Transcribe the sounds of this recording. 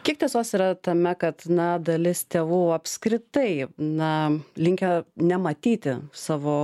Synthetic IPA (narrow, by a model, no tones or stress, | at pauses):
kʲiɛk̚t̪ʲiɛsoːsiːɾɐt̪ɐmʲɛkɐt̪nɐd̪ɐlʲɪst̪ʲeːʋuːɐpʲskɾʲɪt̪ɐɪnɐlʲɪŋʲkʲɛnʲɛmɐt̪ʲiːt̪ʲɪsɑːʋoː